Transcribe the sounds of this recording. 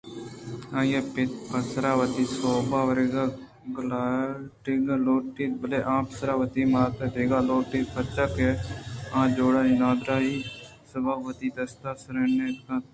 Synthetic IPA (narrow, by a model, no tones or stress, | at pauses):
ãːjaːpɪt̪pəsɾaːʋət̪iːsoːbaːʋəɾeɡa | ɡlaʈɪɡaloːʈiːt̪bəleːʔãːpəsɾaːʋət̪iːmaːt̪eːd̪eːɡaːloːʈiːt̪pʰət͡ʃakeãːd͡ʒoːɽaːd͡ʒiːnaːd̪ɾaːɦiː | səbaːʋət̪iːd̪əst̪aːsəɾenekãː